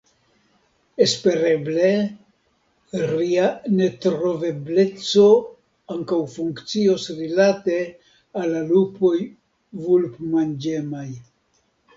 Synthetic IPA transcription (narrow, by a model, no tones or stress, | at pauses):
e̞spe̞ɾeble̞ | ɾiane̞tɾo̞ve̞ble̞t͡so̞ | aŋkawfuŋkt͡sio̞sɾilate̞ | alːalupo̞j | vulpmand͡ʒe̞maj